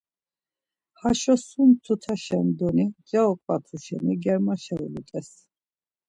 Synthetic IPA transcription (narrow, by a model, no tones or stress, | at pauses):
haʃɔsumt̪ʰut̪ʰaʃɛnd̪ɔnid͡ʒɛɔkʼvat̪ʰuʃɛ̰niɡɛɾmaʃɛṵlut̪ʼɛs